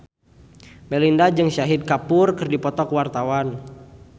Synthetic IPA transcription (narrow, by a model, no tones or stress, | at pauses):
mɛlindad͡ʒɨŋʃaɦid̪̚kapʊrkɨrdipɔt̪ɔkwart̪awan